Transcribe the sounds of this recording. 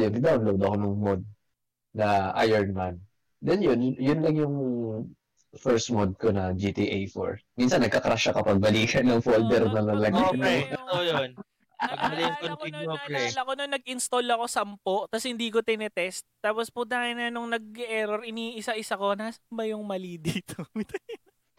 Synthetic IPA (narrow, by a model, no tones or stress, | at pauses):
jʊŋd̪awnlowd̪ɐkonʊŋmod̪̚ | nɐʔa̰jɛɹnman | d̪ɛnjʊnjʊnlɐŋjʊŋ | fɛɹsmod̪̚konɐd͡ʒit̪iʔejfo̰ɹminsɐnːɐɡ̚kɐkɾaʃɐkɐpɐɡ̚bɐliːkʰɐnːɐŋfold̪ɛɾnɐlɐlɐnojon | ɐɡɐljʊŋkont̪id̪okɛlɐkononːɐɡ̚ʔɪnst̪olɐko̞sɐmpoʔt̪ɐshɪnd̪iːk̬ot̪ɪnɛt̪ɛst̪̚ːaːpospʊd̪aːhɪnɐnʊŋnɐɡ̚ʔɛːɾoɾɪniːʔɪsɐʔɪsɐko̞naːsɐ̥nbɐjʊŋmɐlid̪iːt̪o